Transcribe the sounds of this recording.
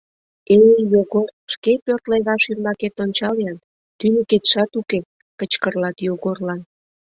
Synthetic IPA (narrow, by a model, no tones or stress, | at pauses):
ejoɣorʃkepørt̪leɣɑʃynmɑket̪ont͡ɕɑlejɑn | t̪ynəket̪ʃɑt̪uke | kət͡ɕkərlɑt̪joɣorlɑn